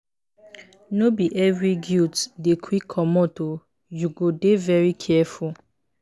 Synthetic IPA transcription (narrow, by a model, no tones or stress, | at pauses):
nobiʔɛvɹiɡiltdekʰwikʰːɔmɔto | juɡodevɛɹikʰɛfu